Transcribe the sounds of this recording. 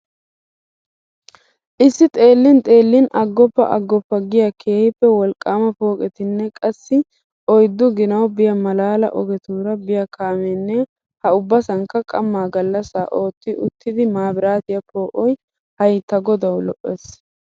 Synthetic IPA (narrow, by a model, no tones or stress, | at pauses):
ʔɪsːɪt̪ʼe̞ːlːɪnt̪ʼe̞ːlːɪnɐɡːɔpːɐ̰ʔɐ̰ɡːɔpːɐɡɪjɐkʰe̞ːhɪpːɛwɔlkʼːaːmɐpo̞ːkʼɛt̪ɪnːɛkʼɐsːɪ | ʔɔjd̪ːʊɡɪnɐwbɪjɐmɐlaːlɐ̰ʔɔɡɛt̪uːɾɐbɪjɐkʰaːmɛnːɛ | hɐʊbːɐsɐŋkːɐkʼɐmːaːɡɐlːɐsaːʔoːt̪ːɪʊt̪ːɪd̪ɪmaːbɪɾaːt̪ɪjɐpo̞ːʔɔj | hɐjt̪ɐɡɔd̪ɐwlɔʔːeːs